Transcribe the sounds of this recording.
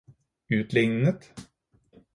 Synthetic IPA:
ʉːt̪lɪŋnət̪

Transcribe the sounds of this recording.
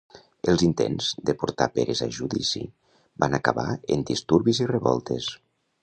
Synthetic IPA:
əlˠzint̪enzd̪əpuɾt̪apeɾezaʒuðisi | banakəβaend̪ist̪uɾβizireβɔ̰lˠt̪es

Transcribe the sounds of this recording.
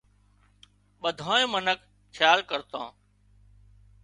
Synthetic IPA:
ɓəd̪ʱoːẽːmənək | kʰːjaːlkəɾt̪õː

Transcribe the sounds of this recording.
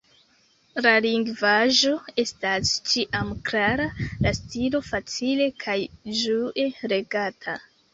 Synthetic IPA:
laliŋɡvaʒo̞e̞stast͡ʃiʔamklaɾalastilo̞fat͡sile̞kʰajʒuʔe̞ɾe̞ɡatʰa

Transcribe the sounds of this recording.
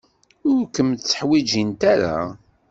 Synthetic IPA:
ʊɾkəmt̪t͡sːə̥ħwid͡ʒint̪aɾa̰

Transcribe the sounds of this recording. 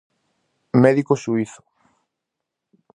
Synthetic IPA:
mɛðikosuiθʊ̥

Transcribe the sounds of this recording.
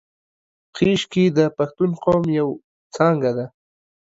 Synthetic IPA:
qiʃkid̪əpaxt̪ʊnqoːmjaw | t͡saŋɡad̪a

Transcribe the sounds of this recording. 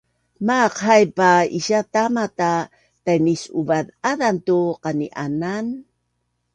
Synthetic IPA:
maqhajpaiɕatamata | tajnisuvaðaðantuqaniʔanan

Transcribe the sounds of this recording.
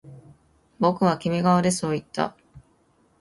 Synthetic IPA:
bo̞kɯ̟β̞akʲime̞ɡaβad̪e̞so̞ːit̪ːa̰

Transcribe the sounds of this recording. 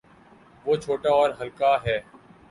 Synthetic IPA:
ʋoːt͡ʃʰoːʈaɔːɾɦəlkaɦɛː

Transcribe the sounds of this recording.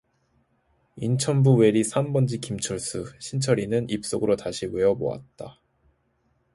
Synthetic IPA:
int͡ɕʰʌnbuwe̞ɾisʰambʌnd͡ʑikimt͡ɕʰʌɭs͈ɯɕʰint͡ɕʰʌɾinɯnip̚s͈oɡɯɾotaɕʰiweʌbo̰a̰t̚t͈a

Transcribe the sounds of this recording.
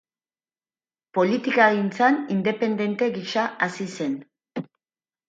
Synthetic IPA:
po̞lit̪ikaɣint͡sanind̪epe̞nd̪e̞nt̪e̞ɣiʃaasise̞n

